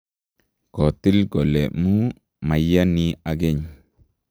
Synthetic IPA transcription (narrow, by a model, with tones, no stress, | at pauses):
kɔ˨ti˦lɡo˨lḛ˨mu˦ | ma˨ja˦ni˦a˨ɡe˦ɲ